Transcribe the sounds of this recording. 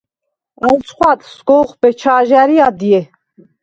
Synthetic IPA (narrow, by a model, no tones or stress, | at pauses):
ənt͡sʰχʷwat̪sɡɔːχbɛt͡ʃʰaːʒaɾiad̪ijɛ